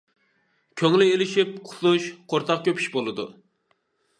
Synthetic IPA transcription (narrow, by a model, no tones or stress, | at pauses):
kʲʰøŋlɪelɪʃip̚qʰʊ̥suʃqʰoɾt̪ʰɑq̚kʲʰøpʰy̥ʃbolˠɨd̪ṵ